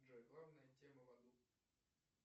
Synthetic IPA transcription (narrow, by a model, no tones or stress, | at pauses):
ʐɛɡlˠavnəjətʲeməvɐd̪u